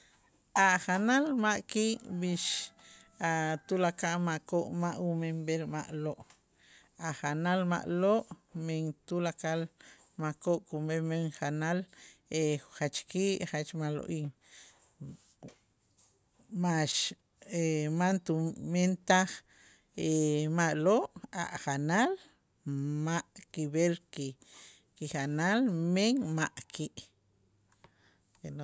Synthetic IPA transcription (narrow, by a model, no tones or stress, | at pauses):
aχanalmaʔkiːʔbiʃ | at̪ulakaʔmakoʔmaʔumembelmaʔloʔ | aχanalma̰ʔloʔmeŋt̪ulakal | makoʔkumemeŋχanaleχat͡ʃkiːʔχat͡ʃmalo̰ʔiːŋ | maʃ | emant̪ument̪aχ | emaʔloʔa̰ʔχanal | maʔkiβelki | kiχanalmeŋmaʔkʰiʔ | keno